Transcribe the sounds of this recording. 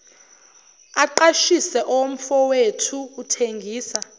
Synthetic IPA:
aǃaʃisɛʔɔwom̩fɔwetʰuːtʰeŋɡʱiːsa

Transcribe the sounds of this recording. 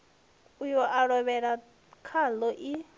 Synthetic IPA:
ujɔʔaɺɔβɛɺa | kʰalɔʔi

